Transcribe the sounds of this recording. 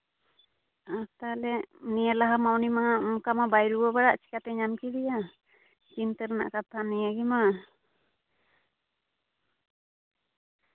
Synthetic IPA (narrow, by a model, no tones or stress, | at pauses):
at̪alɛniəlaɦamawnimauŋkamabajɾuwɔbaɽaʔt͡ʃi̥kat̪ɛɲamkiɾija | t͡ʃint̪əɾɛna̰ʔkat̪ʰanijaɡima